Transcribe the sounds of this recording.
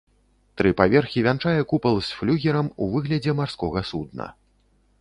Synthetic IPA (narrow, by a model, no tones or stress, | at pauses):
t̪ɾɨpavʲɛrxʲivʲant͡ʂajɛkupɐlˠsʲflʲuɣʲɛɾɐmuvɨɣlʲɐd͡zʲɛmarskɔɣɐsud̪̚nɐ̰